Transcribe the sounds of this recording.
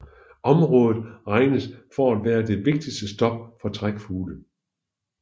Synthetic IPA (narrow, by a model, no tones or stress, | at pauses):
ʔɒ̽mʁɔ̽ːðˠð̞̩ˠʁɑ̈ɪnəsfɒæd̥ʋæːɐd̥e̝ʋe̝ɡ̥̚d̥isd̥əsd̥ɒ̽b̥̚fɒ̽t͡sʰʁaɡ̥fuːlə